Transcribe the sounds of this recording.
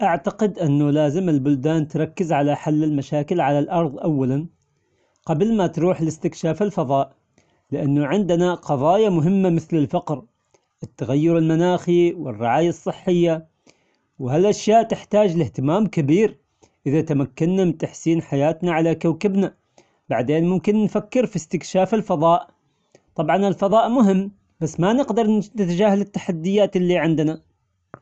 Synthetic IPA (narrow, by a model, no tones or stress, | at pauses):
ʔaʕt̪aqɪd̪ʔɪnːʊlaːzɪmɪlbʊld̪aːnt̪ɾˤɑkːɪzʕalaħalːɪlmaʃaːkɪlʕalalʔɑɾˤðˤʔawːalan | qɑblmat̪ɾuːħɪlɪst̪ɪkʃaːfɪlfɑðˤɑːʔ | lɪʔanːʊʕɪnd̪ɪnaqɑðˤɑːjamʊɦɪmːamɪθlɪlfɑqɾ | ʔɪt̪ːaɣajːʊɾɪlmanaːxiwɪ̰rːɪʕaːjasˤːɨħːɪjːa | whalʔaʃjaːʔt̪ɪħt̪aːd͡ʒlɪht̪ɪmaːmkɪbiːɾ | ʔɪðat̪amakːanːamɪnt̪aħsiːnħajaːt̪naʕalakawkɪbna | b̥aʕd̪eːnmʊmkɪnːfakːɪɾfist̪ɪkʃaːfɪlfɑðˤɑːʔ | t̪ˤɑbʕɑnɪlfɑðˤɑːʔmʊɦɪmː | b̥asːmanɪqd̪ɑɾˤnɪt̪ad͡ʒaːhalɪt̪ːaħad̪ːɪjːaːt̪ɪlːiʕɪnd̪na